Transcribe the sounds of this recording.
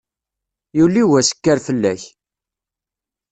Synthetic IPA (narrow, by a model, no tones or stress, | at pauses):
julːiwæsə̥kːæɾfəlːæç